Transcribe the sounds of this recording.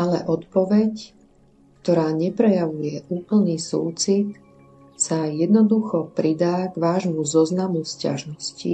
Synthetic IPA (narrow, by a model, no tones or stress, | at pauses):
ʔalɛʔɔt̪pɔʋɛc | kt̪ɔɾaːɲɛpɾɛjaʋujɛʔuːpl̩niːsṵːt͡sit̪ | sajɛd̪nɔd̪uxɔpɾid̪aːɡʋaːʒmuzɔznamusca̰ʒnɔscḭ